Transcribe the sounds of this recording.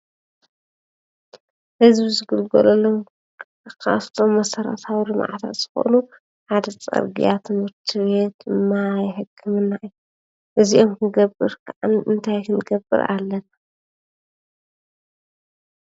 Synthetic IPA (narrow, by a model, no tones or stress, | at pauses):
hɨzbizɨɡɨlɡɐ̰lɐlom | kʰa̰ft̪ʰo̞mːɐsɐɾɐ̰t̪ʰawilɨmʕa̰t̪ʰa̰t̪z̥ɨxo̰ʔnu | ħad̪ɐt͡sʼɐ̰ɾɡḭjat̪ʰɨmhɨɾt̪ʰiβe̞t̪̚d̪ɨmːajħɨkʰːɨmɨnːaʔiju | ʔɨziʔomkʰɨɡɐbːɨɾkʰaʔa̰nɨnt̪ʰajkʰɨnɡɐbːɨ̰ɾalːɐna